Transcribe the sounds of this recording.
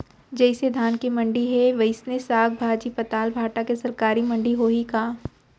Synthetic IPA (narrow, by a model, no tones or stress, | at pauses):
d͡ʒɛɪsed̪ʱaːnkemɐ̃ɳɖiɦɛʋɐɪsnesaːɡ̚bʱaːd͡ʒipɐt̪aːlbʱaːʈakesɐɾkaːɾimɐ̃ɳɖiɦoɦikaː